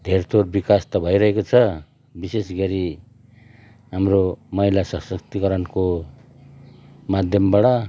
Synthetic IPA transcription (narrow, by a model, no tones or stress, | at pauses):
d̪ʱeɾt̪ʰorbikast̪ʌbʱʌjɾʌɦekot͡sʰʌ | bisesɡʌɾi | ɦamɾomʌɦilasʌsʌk̚t̪ikʌɾʌnko | mad̪ʱjʌmbaɽʌ